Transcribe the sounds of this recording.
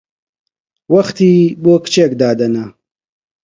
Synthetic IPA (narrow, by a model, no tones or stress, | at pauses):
wɐxt̪iːboːkʰɨ̥t͡ʃeːkd̪aːd̪ɐnɐ